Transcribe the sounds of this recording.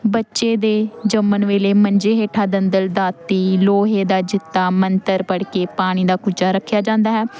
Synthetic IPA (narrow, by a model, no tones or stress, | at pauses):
bətːʃeːd̪eːd͡ʒəmənʋeːleːməɲd͡ʒeːɦeːʈʰaːd̪ənd̪əld̪aːt̪iːloːɦeːd̪aːd͡ʒɪt̪ːaːmənt̪əɾpəɽkeːpaːɽ̃iːd̪aːkʊd͡ʒaːɾəkʰːjaːd͡ʒãːnd̪aːɦɛː